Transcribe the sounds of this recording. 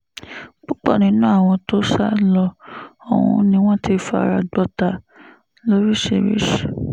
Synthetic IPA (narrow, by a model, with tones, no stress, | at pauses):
k͡pu˦k͡pɔ̰˦˨nĩ˨˦nũ˦a˦˨w̃ɔ̃˧to˦ʃa˦lɔ˧ɔ̰˨wṵ̃˧nĩ˧˦w̃ɔ̃˦ti˧fa˧a̰˨˧˨ɾa˧ɡ͡bɔ˦ta˧ | lo˦ɾi˦ʃḛ˨ɾḭ˦ʃe̥˨